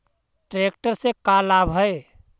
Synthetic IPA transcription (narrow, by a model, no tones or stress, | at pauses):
ʈɾek̚ʈəɾsekalabɦəe